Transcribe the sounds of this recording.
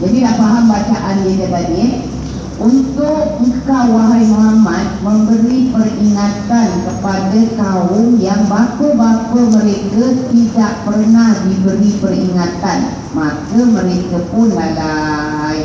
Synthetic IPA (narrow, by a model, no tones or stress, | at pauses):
d͡ʒadinaʔpaɦambat͡ʃaʔanjidəbani | ʔunt̪ʊk̚kawaɦajmoɦamãt̪̚məmbəɾipəriŋat̪ankəpadakaʊŋjaŋbakəbakəmə̃ɾekət̪idaʔpərnahdibəɾipəriŋat̪an | makəməɾekəpʊnlalaj